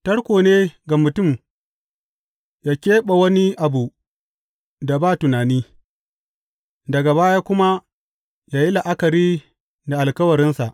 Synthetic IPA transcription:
tɐ˦ɽkʷoː˨neː˦ɡa˨mʊ˨tʊ˦˨m | jaː˦kʲeː˦ɓa˨wɐ˦ni˦ʔa˨bu˨ | da˨baː˦˨tʊ˨naː˨niː˦ | dɐ˨ɡa˨baː˦jaː˦kʷʊ˦ma˦ | jaː˦ji˦la˨ʔa˦kɐ˨ɾiː˦ | da˨ʔa˨lkɐ˦wɐ˨ɾɪ˦nsa˨ʔ

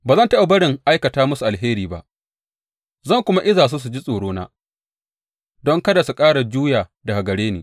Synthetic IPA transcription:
baː˨zɐ˦˨ntɐ˦ja˨bɐ˦ɽɪ˨ŋʔa˦jkɐ˨taː˦mʊ˦su˨ʔa˨lɦeː˦ɾiː˨ba̰˦ʔ | zɐ˦˨ŋkʷʊ˦ma˦ʔɪ˦zaː˨s̬u˦s̬u˨d͡ʒi˦sʼoː˨ɽoː˦na̰ː˦ | dɔ˦ŋkɐ˦da˨su˨kʼaː˦ɽa˨d͡ʒuː˦jaː˨dɐ˨ɡa˨ɡɐ˨ɽeː˦neː˨

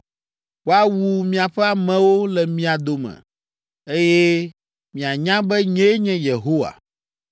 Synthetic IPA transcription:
wo˦a˦wu˨mĩ˨a˨ɸɛ˦a˨mɛ̃˨wo˦lɛ˨mĩ˦a˨d̪o˨mɛ̰̃˨ | e˦jɛ˦ | mĩ˨a˨ɲã˦bɛ˦ɲɛ̃˦ɲɛ̃˦je˨ɦo˦wa̰˨

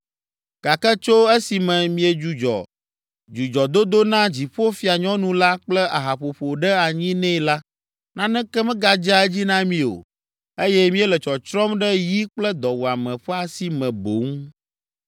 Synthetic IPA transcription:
ka˨kɛ˦t͡ʃo˦e˦si˨mɛ̃˨mĩ˨e˨d͡ʒu˨d͡ʒɔ̰˨ | d͡ʒu˨d͡ʒɔ˨d̪o˦d̪o˦nã˦d͡ʑi˨ɸo˦fi˦a˨ɲɔ̃˦nũ˨la˦k͡plɛ˦a˨ɦa˨ɸo˨ɸo˨ɖɛ˦a˨ɲĩ˦nɛ̃˦˨la˦ | nã˦nɛ̃˦kɛ˦mɛ̃˦ɡa˨d͡ʒa˦ɛ˦d͡ʑi˦nã˦mĩ˨o̰˨ | e˦jɛ˦mĩ˦ɛ˦lɛ˨t͡ʃɔ˨t͡ʃɾɔ˦mɖɛ˦ji˦k͡plɛ˦d̪ɔ˨wu˨a˨mɛ̃˨ɸɛ˦a˨si˨mɛ̃˨bo˨˦ŋ˦

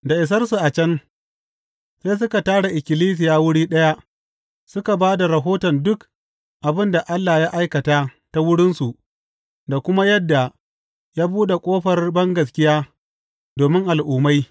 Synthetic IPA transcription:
da˨ʔɪ˨s̬ɐ˦rsu˨ʔa˨t͡ʃɐ˦n | seː˦js̬ʊ˦ka˨taː˦ɽa˨ʔɪ˨kʲɪ˨liː˦s̬ɪ˨jaː˦wʊ˦ɽiː˦ɗɐ˦ja˦ | sʊ˦ka˨baː˦da˨ɾɐ˨ɦoː˦tɔ˨ndʊ˦k | ʔa˨bɪ˦nda˨ʔa˦lːaː˨jaː˦ʔa˦jkɐ˨ta˦ | ta˦wʊ˦ɽɪ˦nsu˨ʔ | da˨kʷʊ˦ma˦jɐ˦dːa˨ | jaː˦buː˦ɗe˨kʷʼoː˦ɸɐ˨rbɐ˦ŋɡɐ˨s̬kʲɪ˦jaː˦ | doː˨mɪ˦ŋʔa˨lʔuː˨ma˦j

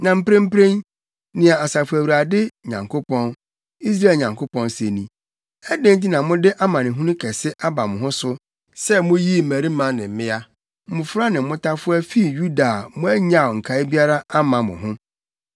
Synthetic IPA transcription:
nã˨m̩˦pɾẽ˦m̩˦pɾẽ˦n | nɪ̃˨a˨a˨sa˨fʊ˨æ˨wu˨ɾa˨dɪ˦ɲã̰˨ŋkʰo˦pʰɔ̃˦n | i˦s̬ɾa˦e˨lɲã˨ŋkʰo˦pɔ̃˦n˦se˨nĩ˨ | ɛ˦dẽ˦n˦t̬i˦nã˨mʊ̃˦dɪ˦ʔa˦mã˨nɪ̃˨ɦũ˦nʊ̃˦kʰɛ˨sɪ˦ʔa˦ba˨mʊ̃˨ɦʊ̃˦sʊ˦ | sɛ˦mʊ̃˦ji˦˨mæ˨ɾi˦mã˦nɪ̃˨m̩˨˦mɪ̃˦a˦ | m̩˦˨mʊ̃˨fɾa˦nɪ̃˨˦mʊ̃˦tʰa˦fʊ˦a˦fi˦˨ju˦da˨mʊ̃˦æ˦ɲã˦˨ŋ̩˨kʰa˨˦ɪ˦bi˦a˦ɾa˦a˦mã˨mʊ̰̃˨ɦʊ̃˦

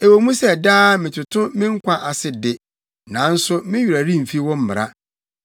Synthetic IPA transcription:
e˨wo˨mũ˦sɛ˦˨daː˦mɪ̃˨t͡ɕʰɪ˨tʰʊ̃˦mɪ̃˦ŋ̩˦kʷʰã˦ʔa˨sɪ˨dɪ˦ | nã˨˦n̩˦sʊ˦mɪ̃˦ɥi˨ɾa˨ɾĩ˦m̩˨fi˦wɔ̃˦m̩˦mɪ˨ɾa˦

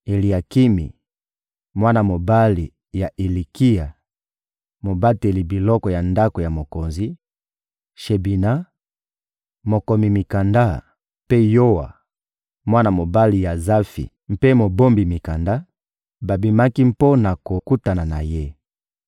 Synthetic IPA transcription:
e˨li˨a˨ki˦mḭ˨ | mwa˦na˨mo˨ba˦li˨ | ja˨ʔe˨li˨ki˦ja˨ | mo˨ba˦te˨li˨bi˨lɔ˦kɔ˨ja˨nda˦ko˨ja˨mo˨ko˨nzi˦ | ʃe˨bi˨na˦ | mo˨ko˨mi˨mi˨ka˨nda˦ | pe˦jo˦wa̰˨ | mwa˦na˨mo˨ba˦li˨ja˨za˦fḭ˨ | mpe˦mo˨bo˦mbi˨mi˨ka˨nda˦ | ba˨bi˨ma˦ki˦m˦po˦na˨ko˨ku˦ta˨na˨na˨je˦

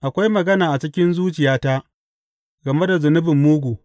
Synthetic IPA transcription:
ʔa˨kʷa˦jmɐ˨ɡɐ˦naː˨ʔa˨t͡ʃɪ˦kʲɪ˦nzuː˦t͡ʃɪ˨jaː˦ta˦ | ɡɐ˨me˦da˨zʊ˨nʊ˦bɪ˨mːuː˦ɡʷu˨

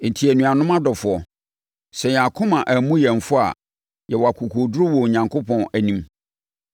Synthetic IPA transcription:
n̩˨tʰi˨æ˨nũ˨a˨nʊ̃˦mã˦dɔ˨fʊ˨ɔ˨ | sɛ˨ɲ˨a˨kʰʊ̃˦mã˨ʔæ˨mũ˦jɛ̃˨m˨fʊ˦a̰˨ | jɛ˨wɔ˨a˨kʰu˨kʰo˨dɾʊ˦wɔ˨ɲã˨ŋkʰo˦pɔ̃˨næ˨nĩ˦m

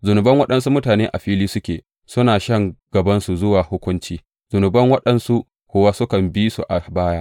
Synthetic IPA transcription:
zʊ˨nʊ˨bɐ˦ŋwɐ˦ɗɐ˨nsu˦mʊ˦taː˨neː˦ʔa˨ɸiː˦liː˦sʊ˦kʲeː˨ | sʊ˦naː˨ʃɐ˦ŋɡ̥ɐ˨bɐ˦nsu˨zʊ˦waː˨hʊ˦kʷʊ˦nt͡ʃiː˦ | z̥ʊ˨nʊ˨bɐ˦ŋwɐ˦ɗɐ˨nsu˦ʔ | kʷʊː˨wa˦sʊ˦kɐ˨mbi˦sṵ˨ʔa˨baː˦jaː˦

